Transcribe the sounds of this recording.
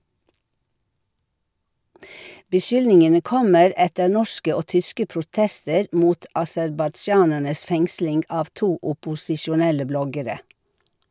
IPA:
bəˈʃʏlnɪŋənə ˈkɔməɾ ˈɛtəɾ ˈnɔʃkə ˈoː ˈtʏskə pɾʊˈtɛstəɾ ˈmuːt ɑsɛɾbɑˈd͡ʒɑːnæɳəs ˈfɛŋslɪŋɡ ˈɑːʋ ˈtuː ʊpʊsɪʃʊˈnɛlə ˈblɔɡəɾə

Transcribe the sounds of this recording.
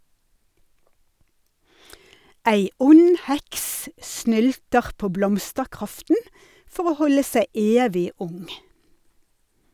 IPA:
ˈæɪ ˈʊn ˈhɛks ˈsnʏltəʁ ˈpoː ˈblɔmstəʁˌkʁɑftn̩ ˈfɔʁ ˈoː ˈhɔlə ˈsæɪ ˈeːʋɪ ˈʊŋ

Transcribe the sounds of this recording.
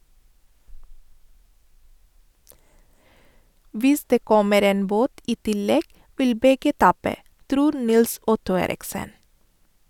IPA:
ˈʋɪs ˈdeː ˈkɔməɾ ˈeːn ˈboːt ˈiː ˈtɪˌlɛɡ ˈʋɪl ˈbɛɡə ˈtɑːpə ˈtɾuːɾ ˈnɪlˌsɔtʊ ˈeːɾɪksən

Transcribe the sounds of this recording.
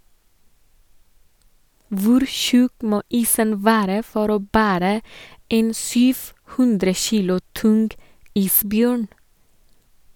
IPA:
ˈʋʊɾ ˈçʉk ˈmoː ˈiːsən ˈʋæːɾə ˈfɔɾ ˈoː ˈbæːɾə ˈeːn ˈsyːf ˈhʉndɾə ˈçiːlʊ ˈtʊnɡ ˈiːsˌbjøːɳ

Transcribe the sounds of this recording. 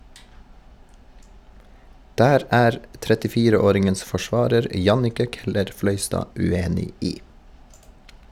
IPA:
ˈdæːɾ ˈæːɾ tɾɛtɪˈfiːɾəˌoːɾɪŋəns fɔˈʃʋɑːɾəɾ ˈjɑnɪkə ˈkɛləɾˌflœʏstɑː ʉˈeːnɪ ˈiː

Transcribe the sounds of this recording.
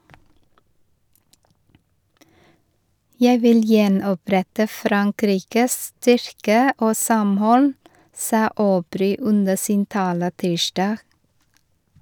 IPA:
ˈjæɪ ˈʋɪl ˈjɛnɔˌpɾɛtə ˈfɾɑŋˌkɾiːkəs ˈstʏɾkə ˈoː ˈsɑmˌhɔl ˈsɑː oːˈbɾyː ˈʉnə ˈsiːn ˈtɑːlə ˈtiːʃdɑːɡ

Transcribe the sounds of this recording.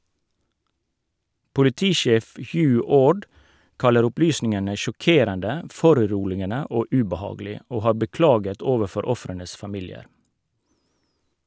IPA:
pʊlɪˈtiːˌʃeːf ˈhjʉː ˈoːɖ ˈkɑləɾ ˈʊplyːsnɪŋənə ʃɔˈkeːɾəndə ˈfɔɾʉˌɾuːlɪənə ˈoː ʉbɑˈhɑːɡəlɪ ˈoː ˈhɑː bəˈklɑːɡət ˈoːʋəˌfɔɾ ˈɔfɾənəs fɑˈmiːlɪəɾ

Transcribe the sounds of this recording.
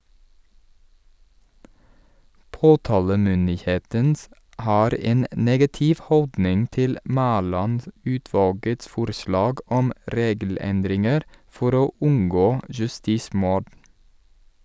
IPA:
ˈpoːtɑːləmʏndɪˌheːtən ˈʔhɑːɾ ˈeːn ə ˈneːɡɑtɪʋ ˈhɔldnɪŋ ˈtɪl ˈmæːlɑnˌdʉːtʋɑːlɡəts ˈfʊɾslɑːɡ ˈɔm ˈɾeːɡl̩ˌɛndɾɪŋəɾ ˈfɔɾ ˈoː ˈʉŋɡoː jʉˈstiːˌsmʊɖ

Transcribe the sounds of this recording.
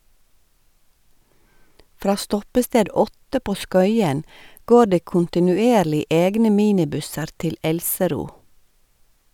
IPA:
ˈfɾɑː ˈstɔpəsteːd ˈɔtə ˈpoː ˈskœʏən ˈɡoː ˈɖeː kʊntɪnʉˈeːɾlɪ ˈeːɡnə ˈmiːnɪˌbʉsəɾ ˈtɪl ˈɛlsəˌɾuː

